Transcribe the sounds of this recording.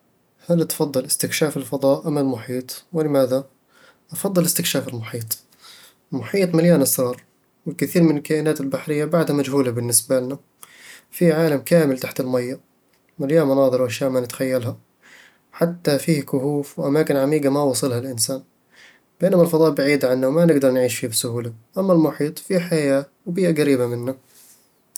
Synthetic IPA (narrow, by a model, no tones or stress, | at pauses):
halt̪fɑðˤːɨlɪst̪ɪkʃaːfɪlfɑd̪ˤɑːʔʔamːalmʊħiːt̪ˤwɪlɪmaːða | ʔɑfɑd̪ˤːɨlɪst̪ɪkʃaːfɪlmʊħiːt̪ˤ | lmʊħiːt̪ˤmaljaːnʔasɾˤɑːɾˤ | wɪkɪθiːɾmɪnɪlkaːʔɪnaːt̪ɪlbaħɾɪjːabaʕd̪hamad͡ʒhuːlabɪnːɪsbalna | fiʕaːlamkaːmɪlt̪aħt̪ɪlmajːa | maljaːmanɑːðˤɨɾwʔaʃjaːʔmanɪt̪xajːalɦa | ħat̪ːafiːhkʊhuːfwʔamaːkɪnʕamiːɡamawɑːsˤɨlhalʔɪnsaːn | b̥eːnamalfɑðˤɑːʔbaʕiːd̪ʕanːawmanɪɡd̪ɑɾˤnʕiːʃfiːbsʊhuːlaʔamːalmʊħiːt̪ˤfiħajaːwbiːʔaɡaɾiːbamɪnːa